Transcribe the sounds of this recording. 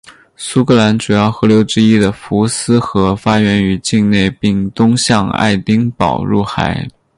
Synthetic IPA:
su˥kʰɤ˥˩la˧˥nʈ͡ʂu˨˩jɑ˥˩ʊxɤ˧˥ljo˧˥ʊʈ͡ʂɻ̩˥i˥d̪ə˨fu˧˥sɹ̩˥xɤ˧˥fa˥ɥɛ˧˥ny˧˥t͡ɕi˥˧ŋne˥˧ɪpi˥˩ŋt̪ʊ˥ŋɕjɑ˥˧ŋa̰˥˧˩ɪt̪i˥ŋpɑ˨˩ʊɻu˥˩xa̰˧˥ɪ

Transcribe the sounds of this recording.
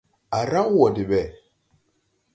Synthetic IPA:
a˨ɾa˦ŋ˦wo˨di˨ɓɛ˨

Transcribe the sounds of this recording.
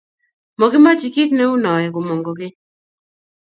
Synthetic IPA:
mo˨ɡɪ˦ma˦t͡ʃi˨ki˦t̪nɛ˦u˦nɔ˨ɛ˨ɡo˨mo˨ŋɡo˨ɡɪ˦

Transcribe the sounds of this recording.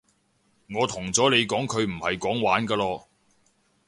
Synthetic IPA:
ŋɔː˨˧t̪ʰʊ˨˩ŋt͡sɔː˨˥le˨˧jkɔː˨˥ŋkʰɵ˨˧ɥm̩˨˩hɐ˨jkɔː˨˥ŋwaː˨˥nkaː˧lɔː˧

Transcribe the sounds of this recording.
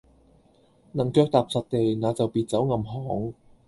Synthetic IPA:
nɐ˨˩ŋkœː˧k̚t̪aː˨p̚sɐ˨t̚t̪e˨jnaː˨˧t͡sɐ˨wpiː˨˧t̚t͡sɐ˨˥wŋɐ˧mɦɔː˨˥ŋ

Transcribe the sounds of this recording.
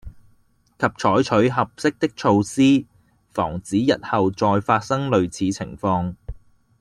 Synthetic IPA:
kʰɐ˨p̚t͡ʃʰɔː˨˥jt͡ʃʰɵ˨˥ɥɦɐ˨p̚sɪ˥k̚t̪ɪ˥k̚t͡ʃʰo˧wsiː˥ | fɔ̰ː˨˩ŋt͡siː˨˥jɐ˨t̚hɐ˨wt͡sɔː˧jfaː˧t̚sɐ˥ŋlɵ˨ɥt͡sʰiː˨˥t͡sʰɪ̰˨˩ŋfɔː˧ŋ

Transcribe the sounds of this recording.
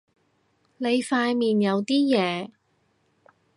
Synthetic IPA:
ne˨˧jfaː˧jmiː˨njɐ˨˧wt̪iː˥jɛː˨˧

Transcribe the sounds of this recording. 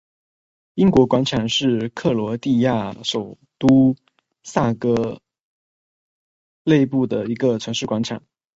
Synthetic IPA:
i˥ŋkwɔ˧˥kwa˧˥nʈ͡ʂʰa˨˩ŋʂɻ̩˥˧kʰɤ˥˩lwɔ˧˥t̪i˥˧ja˥˩ʂo˨˩ʊ | t̪u˥ | sa˥˩kɤ˧˥ | le˥˧ɪpu˥˩d̪ə˩i˧˥ɡə˧ʈ͡ʂʰwə˧˥nʂɻ̩˥˩kwa˧˥nʈ͡ʂʰa̰˨˩˦ŋ

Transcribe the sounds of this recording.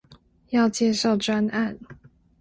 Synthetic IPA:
jɑ˥˧ʊt͡ɕjɛ˥˧ʂɑ˥˩ʊʈ͡ʂwa˥na˥˩n

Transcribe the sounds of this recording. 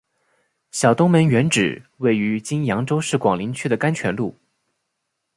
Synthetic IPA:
ɕjɑ˨˩ʊt̪ʊ˥ŋmə˧˥nɥɛ˧˥nʈ͡ʂɻ̩˨˩we˥˩ɪy˧˥t͡ɕi˥njɑ˧˥ŋʈ͡ʂo˥ʊʂɻ̩˥˩kwɑ˨˩ŋli˧˥nt͡ɕʰy˥d̪ə˨ka˥nt͡ɕʰɥɛ˧˥nlu˥˩

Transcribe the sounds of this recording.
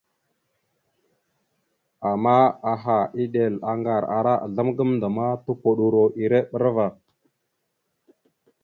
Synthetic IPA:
a˨ma˦a˨ɦa˨i˦ɗe˨la˨ŋɡa˨ɾa˨ɾa˦ʔa̰˨ɮa˦mɡə˦mnda˨ma˦tu˦ko˨ɗu˨ɾo˨ʔi˨ɾe˦ɓə˦ɾva˨

